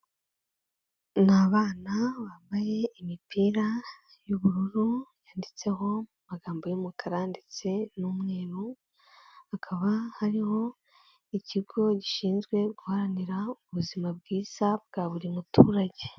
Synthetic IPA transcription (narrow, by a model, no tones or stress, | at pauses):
naːβaːnaβaːmbaje̞imipʰiːɾa | juβuɾuɾujaːndit͡se̞ho̞mumaɡaːmbo̞jumukʰaɾaːndit͡se̞numŋe̞ːɾu | akʰaβahaɾiho̞ | iciɡo̞ɟiʃiːnzɡwe̞ɡuhaɾaniɾauβuzimab̚ɡiːz̥ab̚ɡ̥aːβuɾimutʰuːɾaɟe̞